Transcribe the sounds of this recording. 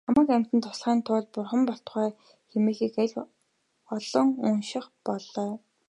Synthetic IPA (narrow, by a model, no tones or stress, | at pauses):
χamə̆ːkæm̥ʲt̪ɘ̆nt̪ʰʊ̥sɮʁæːnt̪ʰʊːɮpʊrχə̆mpɔɬt̪̆χœː | xemeːxiːkæɮʲ | ɔɮɞ̆ŋunʃɪ̆χpɔɮœː